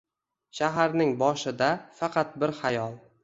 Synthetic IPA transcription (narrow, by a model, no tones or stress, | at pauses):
ʃaɦaɾnɪŋbɒʃɪd̪afɑqʰɑt̪̚bɪɾhajɒlˠ